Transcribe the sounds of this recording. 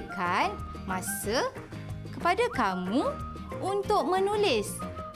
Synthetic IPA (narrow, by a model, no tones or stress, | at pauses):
kan | mãsə | kəpadakamũ | unt̪ʊk̚mə̃nulɪs